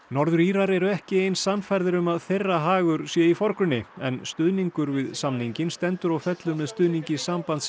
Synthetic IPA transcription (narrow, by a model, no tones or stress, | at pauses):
nɔɾðʏɾiːɾaɾɛɾʏɛhcɪejnsanfajɾðɪɾʏmaðθejrːaɦaːɣʏɾ̥sjɛifɔɾ̥kɾʏnːɪɛnst̪ʏðniŋkʏɾvɪðsamniɲcɪnst̪ɛnt̪ʏɾawfɛt̪lʏmːɛðst̪ʏðniɲcɪsaːmpant̪s